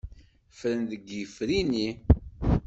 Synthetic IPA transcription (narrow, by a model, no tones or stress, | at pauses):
fɾənðəɡəfɾini